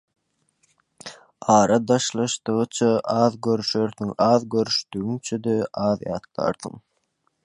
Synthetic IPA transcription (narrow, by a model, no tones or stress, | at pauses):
ɑːɾɑd̪ɑʃlˠɑʃt̪ɯʁɯt͡ʃʰɑʔɑːðɡøɾyʃøɾθyŋɑːðɡøɾyʃt̪yɣyŋt͡ʃʰød̪øʔɑːðjɑ̰ːt̪lˠɑ̰ɾθɯ̰ŋ